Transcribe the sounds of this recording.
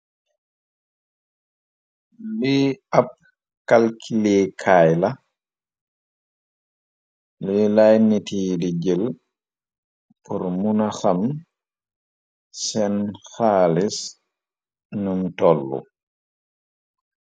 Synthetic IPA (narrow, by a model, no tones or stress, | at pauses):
liap̚ | kalkʰilɛːkʰajla | lilajnitidiɡɛl | pɔɾmunaxam | sɛnxaːlis | numtɔlːɔ̰